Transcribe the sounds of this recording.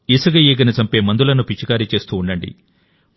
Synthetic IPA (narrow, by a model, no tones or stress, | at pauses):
isɐɡɐjeːɡɐnɐt͡ʃɐmpe̞ːmɐnd̪ulɐnupit͡ʃːikaːɾit͡ʃe̞ːst̪uːɳɖɐɳɖḭ